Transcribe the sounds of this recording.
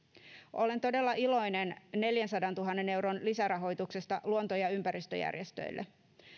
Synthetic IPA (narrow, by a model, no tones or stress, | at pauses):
ʔo̞le̞nt̪o̞de̞lːɑʔilo̞jnenne̞ljænsɑdɑnt̪uɦɑnːe̞ne̞wro̞nlisæɾɑɦo̞jt̪ukse̞st̪ɑluont̪ojɑympæɾist̪ø̰jæ̰rjest̪ø̰jlːʔḛ